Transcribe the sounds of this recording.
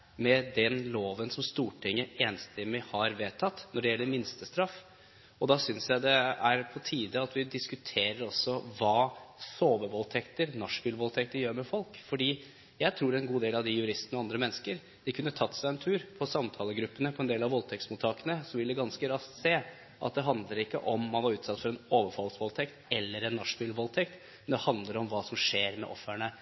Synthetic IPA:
mɛd̪ɛnloːʋənsɔmst̪uːʈʰɪŋːəeːnst̪ɛmːɪhɑɾʋeːt̪ʰːɑt̪ːnɔɖɛjɛlːəɾmɪnst̪əst̪ɾɑfː | ɔd̪ɑsʏnsjæɪd̪ɛæɾpʰɔt̪ʰiːd̪əɑt̪ʋɪd̪ɪskʉt̪ʰeːɾəɾɔsːɔʋɑːsoːʋəɾʋɔlt̪ʰɛkt̪əɾnɑʂfʏlʋɔlt̪ʰɛk̚t̪əɾjøːɾmɛfɔlkfɔɖiː | jæɪt̪ʰɾuːɾɛɛnɡuːd̪eːlɑʋd̪ɪjʉɾɪst̪ənɔɑnd̪ɾəmɛnːəskəɾ | d̪̥ɪkʰʉnːət̪ʰɑt̪ːsæɪɛnt̪ʰʉːɾpʰɔsɑmt̪ʰɑːləɡɾʉpːənəpʰɔɛnd̪eːlɑʋɔlt̪ʰɛk̚t̪smuːt̪ʰɑːkənəsɔʋɪld̪ɛɡɑnskəɾɑst̪seː | ʔɑ̰t̪̚d̪ɛɦɑnd̪ləɾɪkːəʔɔmːɑnʋɑɾʉːt̪sɑt̪ːfɔɾɛnoːʋəɾfɑlsʋɔlt̪ʰɛkt̪ɛlːəɾɛnːɑʂbʏlʋɔlt̪ʰɛkt̪ | ɛnd̪ɛhɑnd̪ləɾɔmʋɑːsɔmʂeːɾmɛ̰ʔɔfəɳə

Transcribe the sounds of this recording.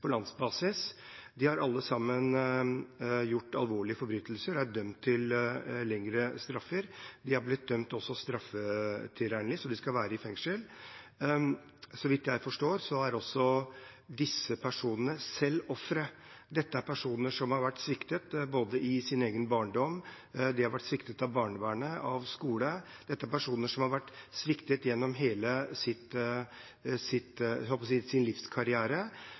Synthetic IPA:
pʰɔlɑnsbɑːsɪs | d̪ɪhɑɾɑlːəsɑmːən | jʊʈːɑlʋoːɭɪəfɔɾbɾyːt̪ʰlsəɾæd̪œmt̪ʰːɪllɛŋɾəst̪ɾɑfːəɾd̪ɪhæɾblɪt̪̚d̪œmt̪ɔsːɔst̪ɾɑfːət̪ʰɪɾæɳlɪsɔd̪ɪskɑʋæːɾəɪfɛŋʂəl | sɔʋɪt̪ːjæɪfɔʂʈoːɾsɔæɾɔsːɔ | d̪ɪsːəpʰæʂuːnənəsɛlːɔfɾə | d̪ɛt̪ːəæɾpʰæʂuːnəʂɔmhɑɾʋæʈːsʋɪkt̪ət̪boːd̪əʔɪsɪneːɡənbɑːɳɖɔm | d̪ɪhɑɾʋæʈːsʋɪkt̪ət̪ɑʋbɑːɳəʋæːɳəɑʋskuːlə | d̪̥ɛt̪ːəæɾpæʂuːnəʂɔmhɑɾʋæʈːsʋɪkt̪ət̪jɛnːɔmɦeːləsɪt̪ | sɪt̪hɔlpɔs̬iːsɪnlɪfskʰɑɾɪæːɾə

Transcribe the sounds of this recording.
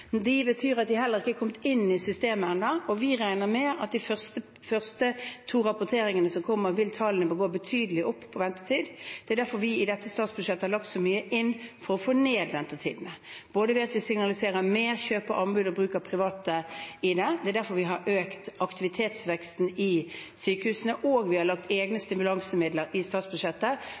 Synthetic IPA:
d̪ɪbət̪ʰyːɾɑt̪̚d̪ɪɦɛlːəɾɪkːəkʰɔmt̪ɪnːɪsʏst̪eːmənd̪ɑʔɔʋɪɾæɪnəɾmɛɑt̪̚d̪ɪfœʁst̪ə | fœʁst̪ət̪ʰuːɾɑpʊt̪ʰeːɾɪŋənəsɔmkʰɔmːəɾʋɪlt̪ʰɑlənəbəɡoːbət̪ʰyːd̪əlɪʔɔpːpʰɔʋɛnt̪ə̥t̪ʰiːd̪d̪̥ɛæɾd̪æɾfɔɾʋɪɪd̪ɛt̪ːəst̪ɑːt̪sbʉd̪ʂɛt̪ːəhɑɾlɑk̚t̪sɔmyːəʔɪnːfɔɾɔfoːneːd̪ʋɛnt̪ət̪ʰḭːd̪n̩əb̥oːd̪əʋɪɑt̪ʋɪsɪŋnɑlɪseːʁəmeːɾçøːpəʔɑmbʉːd̪ɔbɾʉːkəɾpʰʁɪʋɑːt̪əɪd̪ɛd̪ɛæd̪æɾfɔɾʋɪɦɑɾʔøːkt̪ɑkt̪ɪʋɪt̪ʰeːt̪sʋɛkst̪n̩ɪsyːkəhʉːsənəʔoːɡʋɪhɑɾlɑkt̪eːɡnəst̪ɪmʉlɑŋsəmɪd̪ləɾɪst̪ɑːt̪sbʉʂɛt̪ːə

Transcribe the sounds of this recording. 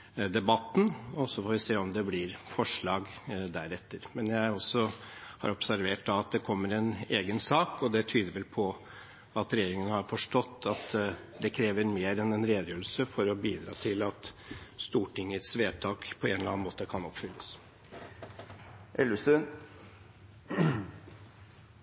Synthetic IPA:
d̪ɛbɑt̪ːn̩ɔsɔfoːʋɪseːɔmd̪ɛblɪɾfɔʂɭɑːɡd̪æɾɛt̪ːəɾmɛnjæɪɔsːɔhɑ̰ɾɔpsæɾʋeːʈ̚d̪ɑɑt̪̚d̪ɛkʰɔmːəɾɛneːɡənsɑːkɔd̪ɛt̪ʰyːd̪əɾʋɛlpʰɔ | ɑt̪ɾɛjeːɾɪŋənəhɑɾfɔʂʈɔt̪ːɑt̪ | d̪ɛkʰɾeːʋəɾmeːɾɛnɛnɾeːd̪jøːlsəfɔɾɔbiːd̪ɾɑ̰ːt̪ʰɪlɑt̪st̪uːʈɪŋːət̪sʋeːt̪ʰɑːkpʰɔenəlɑːnmoːt̪əkʰɑnɔpfʏlːəs | ʔɛləsʉn

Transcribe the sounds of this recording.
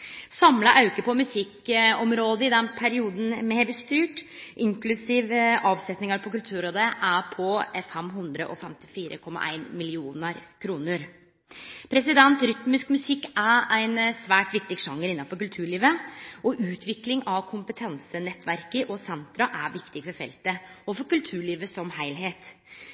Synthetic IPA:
sɑmlɑʔɑʉkəpɔmʉsɪkɔmɾoːd̪əɪd̪ɛnpʰæɾɪuːd̪n̩mɛbəst̪yːʈʔɪŋklʉsiːʋɑːʋsɛt̪nɪŋɑɾpʰɔkʉlt̪ʰʉːɾoːd̪əʔæpʰɔfɛmɦʉnd̪ɾə̰ʔɔ̰fɛmt̪ɪ̥fiːɾə̰kʰɔmːɑ̰ʔæ̰ɪnmɪlɪuːnəɾkʰɾuːnəɾ | pʰɾɛsɪd̪ɛnt̪ɾʏt̪mɪskmʉsɪkːæɾæɪnsʋæːʈʋɪkt̪ɪɡʂɑŋːəɾɪnːɑnfɔɾkʉlt̪ʰʉːɭiːʋəʔɔʔʉːt̪ʰʋɪklɪŋɑʋkʰʊmpət̪ʰɛnsənɛt̪ːʋæɾkəʔɔsɛnt̪ɾɑʔæɾʋɪkt̪ɪfɔɾfɛ̰lt̪əɔfɔɾkʉlt̪ʰʉːɭiːʋəsɔmhæɪlɦeːt̪

